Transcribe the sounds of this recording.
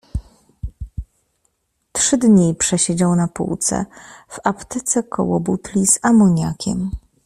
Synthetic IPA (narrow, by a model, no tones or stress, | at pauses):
tʂɘd̪ɲipʂɛɕed͡ʑawnapṵwt̪sɛ̰v̥apt̪ɘt̪sɛkʰɔ̰wɔbut̪lʲizamɔɲakʲʰɛ̰m